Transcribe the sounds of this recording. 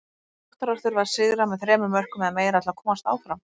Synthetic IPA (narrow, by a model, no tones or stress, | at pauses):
ɔht̪aɾar̥t̪ʏɾvaðsɪɣɾamɛðθɾɛːmʏmːœr̥kʏmɛðameːjɾaɛt̪lakʰɔːmast̪a̰ːwfɾam